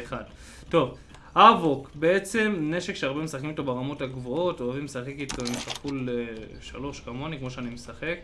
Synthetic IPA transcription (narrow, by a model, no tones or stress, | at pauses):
ad | to̞v | havokbe̞e̞t͡se̞mne̞ʃe̞kʃeaʁbemesaχkimitobeʁamo̞taɡvoo̞toavimesaχekitoemtakule | ʃa̰loʃkamonikmo̞ʃeanimesaχek